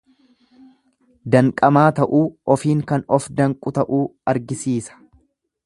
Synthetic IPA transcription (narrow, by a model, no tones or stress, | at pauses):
d̪ɐŋkʼɐmaːt̪ɐʔuːɔfiːŋkɐnɔfd̪ɐŋkʼʊt̪ɐʔuːɐɾɡɪsiːsɐ̥